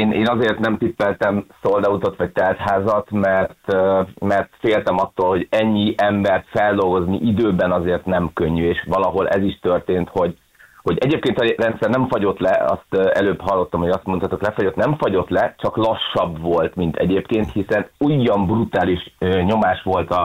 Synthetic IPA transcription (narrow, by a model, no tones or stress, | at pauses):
eːnʔḛːnɒzeːrt̪nɛmt̪ipːɛlt̪ɛmsold̪ɒut̪ot̪ʋɒct̪ɛlt̪haːzɒt̪mɛrt̪ømɛrt̪feːlt̪ɛmɒt̪ːoːlho̞ɟɛɲːiʔɛmbɛrt̪fɛld̪o̞lɡo̞znḭʔid̪øːbɛnɒzeːrt̪nɛmkøɲːyeːʃʋɒlɒɦo̞lʔɛ̰ziʃt̪ø̞rt̪eːnt̪ho̞ɟ | ho̞ɟɛɟeːp̚keːnt̪ɒrɛnt̪sɛrnɛɱfɒɟo̞t̪lɛɒ̰st̪ːɛløːbɦɒlːo̞t̪ːɒmho̞ɟɒst̪mo̞nt̪at̪uklɛfoɟo̞t̪nɛɱfɒɟo̞t̪lɛt͡ʃɒklɒʃːɒbvo̞lt̪mint̪ɛ̰ɟeːpkeːnt̪hisɛnujːɒmbrut̪aːliʃøɲo̞maːʃʋo̞lt̪ɒ